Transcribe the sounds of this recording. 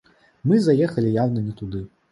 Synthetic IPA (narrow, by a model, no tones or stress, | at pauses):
mɨzajɛxɐlʲijawnɐnʲɛt̪ud̪ɨ